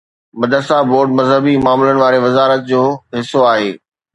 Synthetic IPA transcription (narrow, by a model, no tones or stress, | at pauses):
mɐd̪əɾsaboːɾɖ̚mɐzɦəbimaːmlənɪ̆ʋaːɾeʋɐzaːɾət̪̚d͡ʑoːɦɪsːoaːɦeː